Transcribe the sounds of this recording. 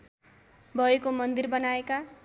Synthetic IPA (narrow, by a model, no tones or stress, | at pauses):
bʱʌekomʌnd̪irbʌnaeka